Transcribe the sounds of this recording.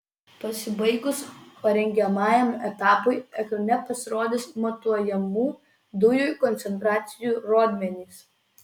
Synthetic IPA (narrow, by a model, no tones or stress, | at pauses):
pɐsʲɪbɐɪɡʊspɐɾʲɛŋʲɡʲɛmɑːjɛmɛt̪ɑːpoɪɛknʲɛpɐsʲɪɾoːd̪ʲɪsmɔt̪uɔjɛmuː | d̪ʊjʊjkɔnʲt̪sʲɛnt̪ɾɑːt̪sʲɪjuːɾoːd̪ʲmʲɛnʲiːs